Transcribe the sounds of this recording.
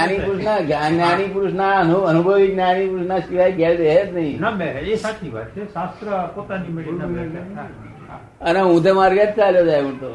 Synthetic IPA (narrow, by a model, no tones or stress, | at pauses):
anipuɾusnaɡananipuɾusnaənuənubʱəʋik̪̚nañipuɾsnaʃiʋajkɛld̪ɛɦet̪nəɦĩnabɛesat̪ʰibʱa̰ʈt͡ʃʰesast̪ɾəpot̪animeɽa | a | əneɦũt̪emaɾɡət̪̚t͡ʃaljod͡ʒajũt̪o